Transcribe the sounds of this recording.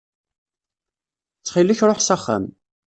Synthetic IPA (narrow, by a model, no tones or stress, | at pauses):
t͡sːχilːəçɾˤoħsaχːa̰m